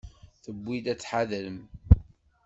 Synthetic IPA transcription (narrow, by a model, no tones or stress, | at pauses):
θəbːid̪æt͡sːħaðələm